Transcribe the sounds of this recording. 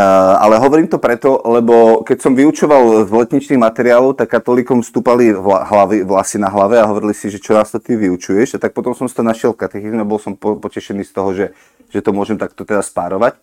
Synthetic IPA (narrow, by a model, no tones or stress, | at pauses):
a̰lɛɦɔʋɔɾiːmt̪ɔpɾɛt̪ɔlɛbɔkɛcsɔmʋiut͡ʃɔʋalzlɛt̪ɲit͡ʃniːɣmat̪ɛɾiɪaːlɔʊt̪akːat̪ɔliːkɔmfst̪uːpaliaɦlaʋiʋlasinaɦlaʋɛaɦɔʋɔɾilisiʒɛt͡ʃɔnaːst̪ɔt̪iʋiut͡ʃujɛʃat̪ak̚pɔt̪ɔmsɔmsit̪ɔnaʃɪɛlfkat̪ɛxizmɛabɔlsɔmpɔpɔcɛʃɛniːst̪ɔɦɔʒɛ | ʒ̥ɛt̪ɔmʊɔʒɛmt̪ak̚t̪ɔt̪ɛd̪aspaɾɔʋac